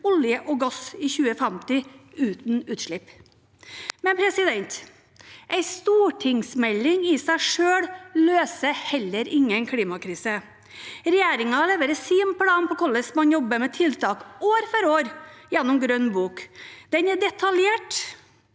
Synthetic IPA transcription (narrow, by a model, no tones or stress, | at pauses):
ɔljəʔɔɡɔsɪːçʉːəfɛmt̪ɪʉːt̪nʉːt̪ʂɭɪp | mɛnpʰɾɛsɪd̪ɛnt̪ | ʔæɪst̪uːʈʰɪŋsmɛlːɪŋɪsæɪʂøːɽløːsəhɛlːəɾʔɪŋːənkʰɽiːmɑkɾiːsə | ɾɛjeːɾɪŋɑleːʋəɾəsiːmpʰlɑːnpʰɔkʰɔləsmɑnjɔbːəmɛt̪ʰɪlt̪ʰɑːkoːɾfɔɾoːɾjɛnːʊmɡɾœnːbuːkd̪̥ɛnɛɖɛt̪ʰɑljeːʈ